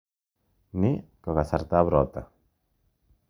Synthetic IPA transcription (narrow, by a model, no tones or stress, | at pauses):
nikoɣasaɾt̪aβɾot̪a